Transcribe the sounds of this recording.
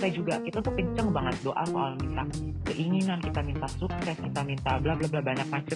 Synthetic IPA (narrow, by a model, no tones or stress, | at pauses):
sad͡ʒuɡakit̪at̪ukəɲt͡ʃəŋbaŋət̪̚doʔa̰soalkit̪a | kəʔiŋinankit̪amint̪asuksɛskit̪amint̪ablablablabaɲak̚mat͡ʃə